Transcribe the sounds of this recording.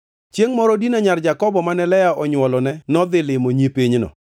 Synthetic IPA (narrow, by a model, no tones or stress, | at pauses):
t͡ʃjeŋmɔɾɔdinaɲard͡ʒakɔbɔmanɛlɛjaɔɲwɔlɔnɛnɔd̪ɪlɪmoɲipiɲnɔ̰